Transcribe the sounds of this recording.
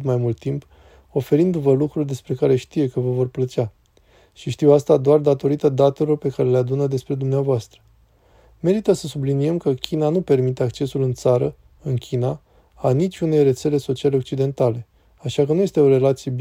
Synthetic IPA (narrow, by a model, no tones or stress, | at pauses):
t̪majmult̪ːimp | o̞fe̞ɾind̪vəlukɾurʲd̪e̞spɾe̞kaɾe̞ʃt̪ije̞kəvəvo̞rplət͡ʃia | ʃiʃt̪iwast̪ad̪oard̪at̪o̞ɾit̪əd̪at̪e̞lo̞rpe̞kaɾe̞lead̪unəd̪e̞spɾe̞d̪umneavoast̪ɾə | me̞ɾit̪əsəsublinije̞mkəkʲʰinanupe̞rmit̪e̞akt͡ʃe̞sulɨnt̪saɾə | ɨnkʲʰina | anit͡ʃʲune̞jre̞t̪se̞le̞so̞t͡ʃiale̞ok̚t͡ʃid̪e̞nt̪ale̞ | aʃakənujest̪e̞o̞ɾe̞lat̪sije̞b